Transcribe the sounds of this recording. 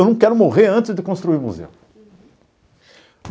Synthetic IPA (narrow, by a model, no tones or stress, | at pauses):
wnɐ̃w̃kɛɾʊmoʁeɾɐ̃nt̪ɪzd̪ɪkõst̪ɾuiɾmuzḛw